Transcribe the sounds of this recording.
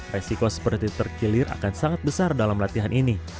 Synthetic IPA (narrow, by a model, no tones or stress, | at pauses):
resikosə̥pərt̪it̪ərkilɪɾa̰kansaŋat̪̚bəsardalamlat̪iɦanʔini